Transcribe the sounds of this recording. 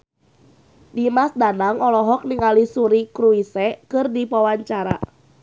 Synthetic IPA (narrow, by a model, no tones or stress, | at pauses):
dimasdanaŋɔlɔɦɔk̚niŋalisuɾikɾuisɛkɨrdipawaɲt͡ʃaɾa̰